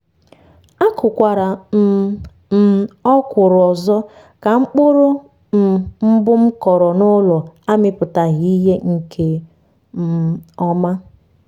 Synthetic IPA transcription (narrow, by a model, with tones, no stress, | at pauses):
a˦kʊ˨kʷa˨ɾa˨˦ | m̩˨ɔ˦kʷʊ˨ɾʊ˨ɔ˨zɔ˦ | ka˨ŋ͡m̩˦k͡pʊ˦ɾʊ˦ | m̩˨m̩˦bʊ˦m̩˦kɔ˨ɾɔ˨nʊ˦lɔ˨a˦mɪ˨pʊ˨ta˨ɣi˦ɦe˦ŋ̩˨kʰe˨ | m̩˦ɔ˦ma˦